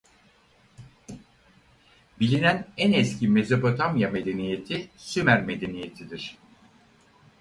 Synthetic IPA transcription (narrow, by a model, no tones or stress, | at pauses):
bilʲinænænɛscʰime̞zopot̪ʰamjame̞d̪e̞nije̞t̪ʰisymæɾme̞d̪e̞nije̞t̪ʰid̪iɾ̥